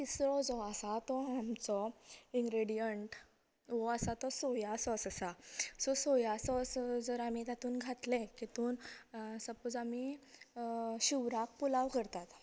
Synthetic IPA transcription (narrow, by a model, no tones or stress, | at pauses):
t̪isɾɔd͡zɔasat̪ɔamt͡sɔĩŋɡɾeɽijəɳʈ | ʋɔasat̪ɔsɔjasɔsasasɔsɔjasɔsd͡zəɾamit̪at̪uːnɡʱat̪lɛ̃kit̪uːnsəpod͡zami | ɕiʋɾak̚pulaʋkəɾt̪at̪